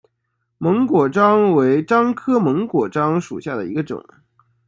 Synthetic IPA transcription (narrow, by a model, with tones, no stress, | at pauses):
mɤ˧˥ŋkwɔ˨˩ʈ͡ʂɑ˥ŋwe˧˥ɪʈ͡ʂɑ˥ŋkʰɤ˥mɤ˧˥ŋkwɔ˨˩ʈ͡ʂɑ˥ŋʂṵ˨˩ɕja˥˩d̪ə˩i˧˥ɡə˧ʈ͡ʂʊ̰˨˩˦ŋ